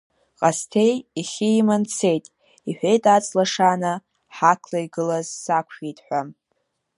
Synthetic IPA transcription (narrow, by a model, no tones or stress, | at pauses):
qʼastʰejiχʲimant͡sʰe̞jtʼ | iħʷᶣe̞jtʼat͡sʼlaʂanɨ | ħakʰlaiɡɨlazsakʷʰχitʼħʷam